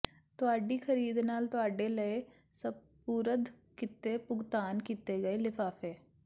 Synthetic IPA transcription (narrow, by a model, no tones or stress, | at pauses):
t̪ʊaːɖixʰɐɾiːd̪naːlt̪aːɖelɐe | sɐb | puːɾəd̪ | kɪt̪ːepʊɡt̪aːnkit̪eɡɐelɪfaːfeː